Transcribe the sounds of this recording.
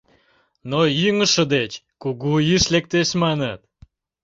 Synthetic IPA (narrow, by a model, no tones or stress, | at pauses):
noiŋə̆ʃə̆d̪et͡ɕkuɣuiʃlek̚t̪eʃmɑnət̪